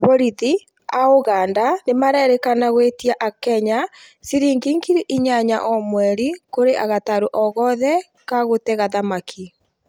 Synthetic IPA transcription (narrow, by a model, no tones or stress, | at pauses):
βoɾiði | aoɣandanemaɾɛɾɛkanaɣwetiaʔakɛɲa | siɾiːŋɡiŋɡiɾiʔiɲaɲa̰ʔɔmwɛɾikoɾeʔaɣataɾoʔɔɣɔðɛ | kaɣotɛɣaðamakʰi